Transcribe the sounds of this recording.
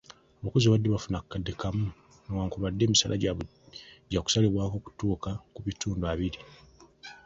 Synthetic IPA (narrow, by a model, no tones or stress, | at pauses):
oβakoziβadːeβafunakːadːekʰamu | nowaːŋkuβadːe̞ːmisalʔa̰ | ɟaku̥saliβwaːko̞ːku̥tuːkakuβituːnduaβiɾi